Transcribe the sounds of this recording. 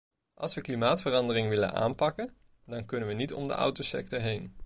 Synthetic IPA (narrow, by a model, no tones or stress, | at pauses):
ʔɑ̰lˠsʋəklimaːtfərɑndərɪŋʋɪlə̰nʔa̰ːnpɑkən | dɑnkɵnənʋənitɔmdə̰ʔʌ̰wtosɛ̰k̚tɔɹɦejn